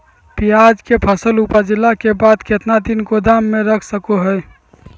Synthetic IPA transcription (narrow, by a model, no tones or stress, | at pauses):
pijad͡ʒkepʰəsəlupəd͡ʒɪlakebaːd̪ket̪nad̪inkod̪aːmːẽɾəkʰsəkoɦɛɛ